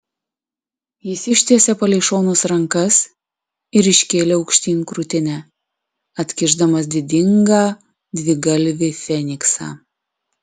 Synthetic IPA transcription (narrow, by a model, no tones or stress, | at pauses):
jɪsɪʃʲt̪ʲiɛsʲɛpɐlʲɛɪʃoːnʊsɾɐŋkɐs | ɪɾɪʃʲkʲeːlʲeːɒʊkʃʲt̪ʲiːnʲkɾʊt̪ʲɪnʲæ | ɐt̪ʲkʲɪʒd̪ɐmɐsd̪ʲɪd̪ʲɪŋɡɑː | d̪ʲʋʲɪɡɐlʲʋʲɪfʲɛnʲɪksɑ̰ː